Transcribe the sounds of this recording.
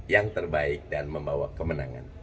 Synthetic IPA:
jaŋt̪ərbaɪk̚danməmbawakəmənaŋa̰n

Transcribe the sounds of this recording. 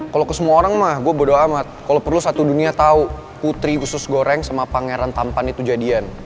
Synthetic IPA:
kalokəsəmuaoɾaŋmahɡuabərdoamat̪̚kalopərlusat̪uduniat̪au | put̪ɾiɡusʊsɡoɾɛŋsamapaŋeɾant̪ampanit̪ud͡ʒadian

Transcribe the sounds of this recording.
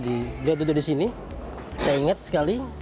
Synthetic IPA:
dibəliawt̪ut̪ʊdisini | sajaiŋat̪̚sə̥kali

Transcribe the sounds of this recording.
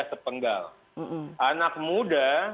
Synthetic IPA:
asəpəŋɡa̰l̩ | ʔanak̚muda

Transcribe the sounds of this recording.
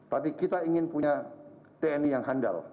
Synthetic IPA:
t̪apikit̪aiŋɪnpuɲa | t̪eɛnijaŋɦanda̰l

